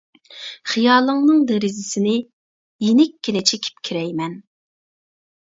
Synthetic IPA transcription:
χɨjɑːlˠəŋnɨŋd̪eɾɪzɪsɪnɪ | jenɪkʲːinɪt͡ʃʰekʲʰi̥p̚kʲʰiɾɛjmɛn

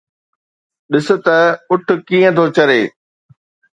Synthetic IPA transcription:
ɗɪsʊ̆t̪ɐʊʈʰʊ̆kiːə̃t̪ʰot͡ɕɐɾeː

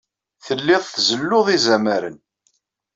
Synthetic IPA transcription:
θəlːɪðˤθzəlːʊðˤizæmæɾə̰n

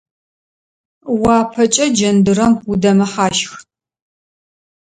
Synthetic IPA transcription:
wɑːpʰɐt͡ʃʼɐd͡ʒɐndɨɾɐmudɐmɐħaːʃx

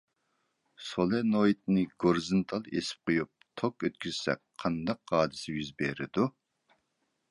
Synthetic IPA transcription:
solˠɛnojit̪̚nɪɡoɾzɨnt̪ʰɑlˠesɪ̥p̚qʰojup̚t̪ʰokøt̪̚kʲyz̥sɛ̰k̚ʲqʰːɑnd̪ɑqːɑːd̪ɪsɪjyzbeɾɪd̪u

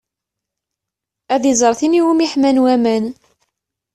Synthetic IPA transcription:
æðizˤəɾˤθiniwumiħmænwæmæn

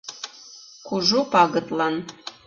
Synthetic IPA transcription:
kʷʰuʐupʰʼaɡɨtʼlan

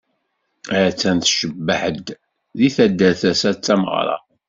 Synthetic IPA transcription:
æɾt͡sːænθʃəbːəħəd̪ | ðiθæd̪ːæθæsæt͡sːæməʁ̰ɾˤɑ̰

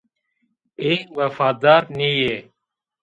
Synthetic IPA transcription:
eːʋəfaːd̪aːɾniːjeː

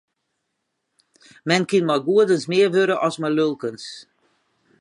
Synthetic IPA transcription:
mɛnkɪnmɔjɡuədənsmɪːərʋøɾəʔɔsmalølˠkəns

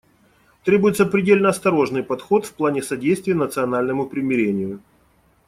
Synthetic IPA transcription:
t̪ɾʲe̞bʊjɪt̪səpɾʲɪdʲelʲnəɐst̪ɐɾo̞ʐnɨjpɐt̪xo̞t̪fplˠanʲɪsɐdʲejst̪vʲɪjənət̪sɨɐnalʲnəmʊpɾʲɪmʲɪɾʲenʲɪjʊ

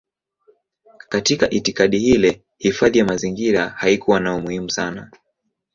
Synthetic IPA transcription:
katikaʔitikaɗihilɛ | hifaðijamaziŋɡiɾahaikuwanaumuhimusana

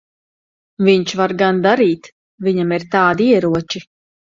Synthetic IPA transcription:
viɲt͡ʃvaɾɡand̪aɾiːt̪ | vʲiɲamiɾt̪aːd̪iɛɾuɔt͡ʃi

